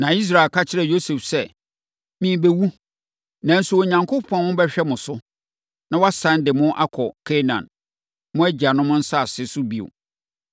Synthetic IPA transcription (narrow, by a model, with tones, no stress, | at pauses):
nã˨i˦s̬ɾa˨lkʰa˦t͡ɕʰɪ˦ɾɛ˨jo˦sɛ˨fsɛ˦˨ | mĩ˨be˦wu˦ | nã˨n̩˦sʊ˦wo˨ɲã˨ŋkʰʊ˦pʰɔ̃˨n˦wʊ̃˦bɛ˦ɕᶣɛ˦mʊ̃˨sʊ˦ | nã˦wɔ˦a˦sã˦ndɪ˨mʊ̃˦ʔa˦kʰɔ˨kʰe˦nã̰˨n | mʊ̃˦æ˦d͡ʑi˨a˨nʊ̃˦mʊ̃˦n̩˦sa˦˨sɪ˦sʊ˦bi˦˨o̰˨